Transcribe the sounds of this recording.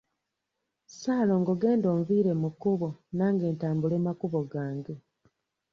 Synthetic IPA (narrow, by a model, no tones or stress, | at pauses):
saːlo̞ːŋɡo̞ɡe̞ːndoːɱviːɾe̞mukuβonaːŋɡe̞ːntaːmbule̞ːmakuβoɡaːŋɡe